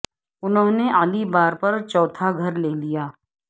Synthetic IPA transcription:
ʊnɦõːneʔaːlibaːɾpɐɾt͡ʃɔːt̪ʰaɡʱɐɾleːlijaː

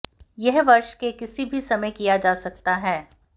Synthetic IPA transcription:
jɛɦʋɐɾʃkekɪsibʱisɐməjkijad͡ʒaːsɐk̚t̪aɦɛː

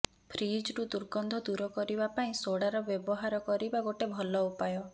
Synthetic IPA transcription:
pʰɾid͡ʒʈud̪uɾɡɔnd̪ʱɔd̪uɾɔkɔɾibapaĩsoɽaɾɔbjɔbɔɦaɾɔkɔɾibaɡoʈebʱɔlɔupajɔ

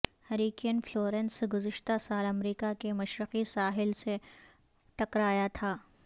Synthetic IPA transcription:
hɐɾiːkijənfloːɾensɡʊzɪʃt̪asaːlɐmɾiːkakemɐʃɾɪqisaːɦɪlse | ʈɐkɾaːjat̪ʰaː

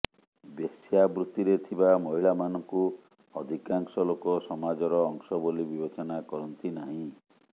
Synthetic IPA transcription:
besjabɾut̪iɾet̪ʰibamɔɦiɭamanɔŋku | ɔd̪ʱikaŋsɔlokɔsɔmad͡ʒɔɾɔːŋsɔbolibibet͡ʃɔnakɔɾɔnt̪inaɦĩ

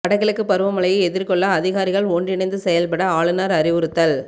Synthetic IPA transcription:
pɐɽɐɣɪɭɯkːɯpɐɾɯʋɐmɐɭɐjɐɛðɪɾkɔɭːɐːðɪɣaːɾɪɣɐɭoːndrɪɳɐɪnd̪ɯsɛjɐlpɐɽɐaːɭɯnaːɾɐɾɪʋɯɾɯt̪ːɐl

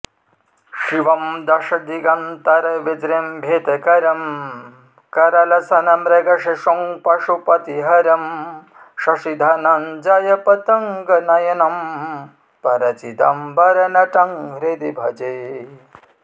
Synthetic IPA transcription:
ʃiʋɐmd̪ɐʂɐd̪iɡɐnt̪ɐɾɐʋed͡ʒɾembʱeːt̪ɐkɐɾɐm | kɐɾɐlɐsɐnɐmɾɐɡɐʂeʃoŋpɐʂupɐt̪iɦɐɾɐm | ʃɐʃid̪ʱanɐnd͡ʒaːjɐpɐt̪ɐŋɡɐnɐjɐnɐm | pɐɾɐt͡ʃit̪ɐ̰mbɐɾɐnɐʈɐŋɾed̪ibʱɐd͡ʒe

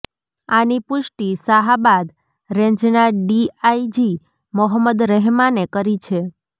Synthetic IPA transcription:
anipʊʃʈisaɦabad̪ | ɾẽɲd͡ʒnaɖiaid͡ʒi | mɔɦəmːəd̪ɾəɦmanekəɾit͡ʃʰe

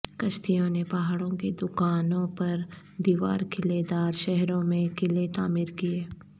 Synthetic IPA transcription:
kɐʃt̪ʰijõnepaːɦaɽõked̪ʊkaːnõpɐɾ | d̪iːʋa̰ːɾkʰɪled̪aːɾʃɛɦɾõmẽkʰɪlet̪aːmiːɾkieː

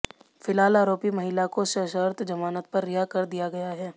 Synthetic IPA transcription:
fɪlɦaːlaːɾoːpimɐɦɪlakosɐʃəɾt̪d͡ʒɐmaːnət̪̚pɐɾːɪjakɐɾd̪ijaɡɐjaɦɛː

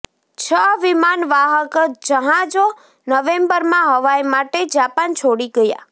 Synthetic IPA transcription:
t͡ʃʰəʋimanʋaɦəkd͡ʒəɦãd͡ʒo | nəʋembəɾmãɦəʋajmaʈed͡ʒapant͡ʃʰoɽiɡəja̰

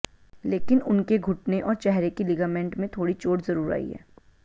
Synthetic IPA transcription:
leːkɪnʊnkeɡʱʊʈneʔɔːɾt͡ʃɛɦɾekilɪɡaːmẽːɳʈmẽt̪ʰoːɽit͡ʃoːʈzɐɾuːɾa̰ːḭɦɛ̰ː

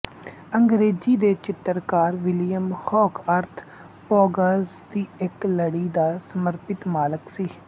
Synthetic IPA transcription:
əŋɡɾeːd͡ʒiːd̪eːt͡ʃɪt̪ːəɾkaːɾʋɪlijəmxɔːkʰəɾt̪ʰ | poːɡəzd̪iːɪkləɽiːd̪aːsəməɾpɪt̪maːləksiː

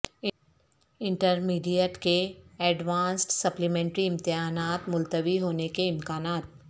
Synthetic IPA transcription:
ɪ̃ɳʈəɾmiːɖijəɾʈkeɛːɖʋãːnsʈsɐplimɛ̃ːɳʈɾiɪ̃mt̪ɪɦaːnaːt̪mʊlt̪əʋiɦoːnekeɪ̃mkaːnaːt̪̚

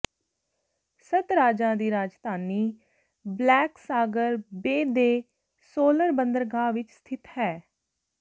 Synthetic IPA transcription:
sət̪ɾaːd͡ʒãːd̪iːɾaːd͡ʒd̪aːniː | blɛːksaːɡəɾbeːd̪eː | soːləɾbənd̪əɾɡãːʋɪt͡ʃst̪ʰɪt̪hɛː

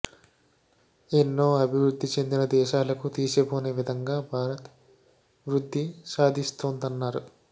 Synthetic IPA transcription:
enːo̞ːɐbʱiʋɾud̪ʱːit͡ʃe̞nd̪inɐd̪ɛːʃaːlɐkut̪iːsepoːne̞ːʋid̪ʱɐŋɡaːbʱaːɾɐt̪ | ʋɾud̪ʱːisaːd̪ʱist̪oːnd̪ɐnːaːɾu

